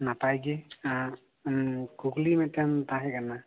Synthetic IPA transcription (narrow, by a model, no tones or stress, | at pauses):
napajɡea | kuɡlimɛtantaɦɛkana